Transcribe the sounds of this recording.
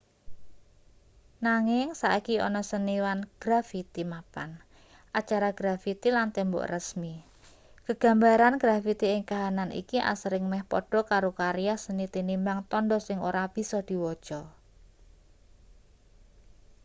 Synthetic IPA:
naŋɪŋsaʔikiɔ̰nɔsəniwanɡ̥ɾafit̪imapan | ʔat͡ʃaɾaɡ̥ɾafit̪ilant̪ɛmbɔ̰ʔrəsmi | kəɡ̥a̤mbaɾanɡ̥ɾafit̪iɪŋkaɦananḭkiʔa̰səɾɪŋmɛhpɔɖ̥ɔ̤kaɾokaɾjasənit̪inimbaŋt̪ɔndɔsɪŋoɾab̥i̤sɔd̪̥i̤wɔd̥ʒ̥ɔ

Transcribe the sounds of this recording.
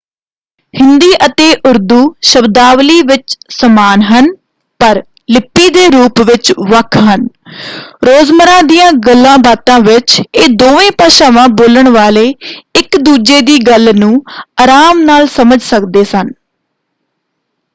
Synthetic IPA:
hɪnd̪iːʔət̪eːʔʊɾd̪uːʃəbd̪aːʋliːʋɪt͡ʃsəmaːnɦən | pəɾ | lɪpːiːd̪eːɾuːpʋɪt͡ʃʋəkʰɦən | ɾoːzməɾãːd̪ijãːɡəlːãːbaːt̪ãːʋɪt͡ʃeːd̪oːʋẽːpaːʃaːʋãːboːləɳʋaːleːɪkd̪uːd͡ʒeːd̪iːɡəlnũːaːɾaːmnaːlsəməd͡ʒsəkd̪eːsən

